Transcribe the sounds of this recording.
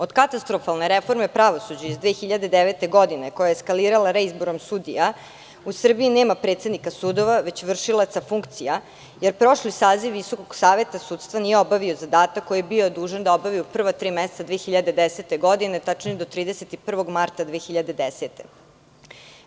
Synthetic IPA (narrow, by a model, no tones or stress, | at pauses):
o̞d̪kat̪ast̪ɾofalˠneɾefo̞ɾmepɾaʋo̞sud͡ʑaizd̪ʋeːxiʎad̪e̞d̪eʋet̪eɡo̞d̪ineko̞jajeskaliːɾalaɾeizboɾomsud̪ḭja | usr̩biineːmapɾe̞ːt̪sed̪nikasuːd̪o̞ʋaʋe̞t͡ɕʋr̩ʃilˠat̪safuŋkt̪sija | jeɾpɾo̞ʃlisaːziʋʋiso̞koɡsaːʋe̞t̪asuːt̪st̪ʋanijeobaʋio̞zad̪aːt̪akːo̞jiebiod̪uːʒend̪aobaʋiupr̩ʋat̪ɾiːmɛset̪ad̪ʋeːxiʎad̪ed̪eset̪e̞ɡo̞d̪inet̪at͡ʃnied̪o̞t̪ɾiːd̪eset̪ipr̩ʋo̞ɡmaɾt̪ad̪ʋeːxiʎad̪ed̪eset̪ḛ